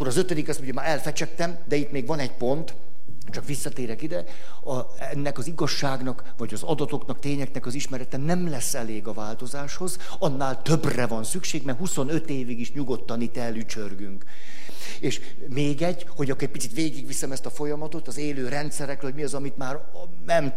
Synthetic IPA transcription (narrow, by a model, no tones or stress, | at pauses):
kːoɾɒzøt̪ød̪ikɛst̪muɲjɒmaːɾɛlfɛt͡ʃɛk̚t̪ɛmd̪ɛit̪meːɡvɒnɛɟpo̞nt̪ | t͡ʃɒkʋisːɒt̪eːɾɛkid̪ɛ | ɒ | ɛnːɛkɒziɡɒʃːaːɡnɒk | vɒɟɒzɒd̪ɒt̪o̞knɒkt̪eːɲɛknɛkɒziʃmɛɾɛt̪ɛnɛmlɛsːɛleːɡɒvaːlt̪o̞zaːʃho̞z | ɒnːaːlt̪ø̞brɛvɒnsykʃeːɡmɛɦuso̞nøt̪eːviɡiʃɲuɡo̞t̪ːɒnit̪ɛlːyt͡ʃørɡyŋk | eːʃ | meːɡɛɟ | ho̞ɟɒkːɾɛc̚pit̪sit̪ʋeːɡiɡʋisɛmɛst̪ɒfo̞jɒmɒt̪o̞t̪ɒzeːløːɾɛnt̪sɛɾɛkrɛɦoɟmiɒzɒmit̪maːɾ | nɛm